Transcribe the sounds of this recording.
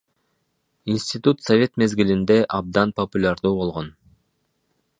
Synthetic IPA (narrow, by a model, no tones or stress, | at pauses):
insʲt̪ʲit̪ut̪sovʲe̞t̪me̞zɡilind̪e̞ʔɑb̚d̪ɑnpopulʲaɾd̪uːbo̞lˠʁo̞n